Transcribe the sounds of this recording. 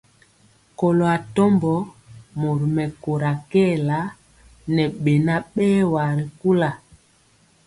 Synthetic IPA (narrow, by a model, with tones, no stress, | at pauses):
kɔ˨lo˨a˨tɔ˦mbɔ˨˦ | mo˨ɾi˨mɛ˨ko˨ɾa˨kɛː˦˨la˨˦ | nɛ˨ɓe˨na˦ɓɛː˦wa˨ɾi˨ku˦la˨